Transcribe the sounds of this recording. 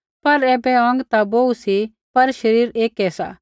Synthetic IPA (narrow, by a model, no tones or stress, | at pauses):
pɐɾɛːbɛɐ̃ŋɡt̪aboːusi | pɐɾʃɐɾiːɾeːkɛsa̰ː